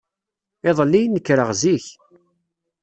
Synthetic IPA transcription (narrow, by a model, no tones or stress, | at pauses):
ɪðˤəlːijnːəkːɾəʁziç